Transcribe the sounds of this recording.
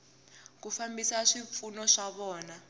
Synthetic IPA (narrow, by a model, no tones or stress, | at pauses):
k̬ufambisaʂiɱfunɔʂaβɔːna